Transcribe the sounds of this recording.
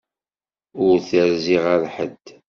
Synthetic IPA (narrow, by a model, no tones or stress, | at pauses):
ʊɾθəɾziʁaɾħə̰d̪